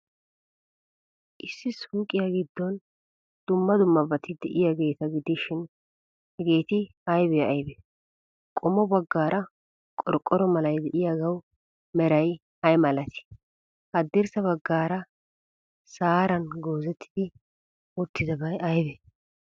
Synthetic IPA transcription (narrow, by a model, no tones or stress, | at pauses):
ʔɪsːɪsuːkʼːɪjaɡɪd̪ːɔn | d̪̥ʊmːɐd̪ʊmːɐbɐt̪ɪd̪ɛʔɪjaɡe̞ːt̪ɐɡɪd̪ɪʃɪn | hɛɡe̞ːt̪ɪ | ɐjbɛjːjbɛ | kʼɔmɔbɐɡːaːɾʔɐ | kʼɔɾkʼːɔɾɔmɐlɐjd̪ɛʔɪjaɡɐw | mɛɾɐj | hɐjmɐlɐt̪ɪ̥ | hɐd̪ːɪɾsɐβɐɡːaːɾɐ | saːɾɐnɡo̞ːzɛt̪ʰːɪd̪ɪ | ɔt̪ːɪd̪ɐbɐjɐjbɛ